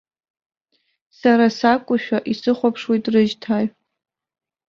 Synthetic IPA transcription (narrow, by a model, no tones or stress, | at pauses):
saɾasakʷʼʊʃᶣaʔisɨχʷapʰʂwejtʼrɨʒtʰaɥ